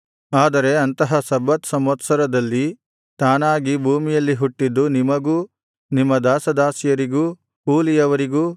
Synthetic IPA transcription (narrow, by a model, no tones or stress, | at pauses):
aːd̪ɐɾe̞ɐnt̪ɐɦɐsɐbɐt̪sɐmɐt̪sɐɾɐd̪ɐlːi | t̪aːnaːɡibʱuːmijɐlːiɦuʈːid̪ːunimɐɡuː | nimːɐd̪aːsɐd̪aːsijɐɾiɡuː | kuːlijɐʋɐɾiɡuː